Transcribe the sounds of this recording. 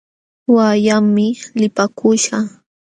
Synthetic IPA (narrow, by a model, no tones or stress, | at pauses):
wajaɪlɪpakʊʃa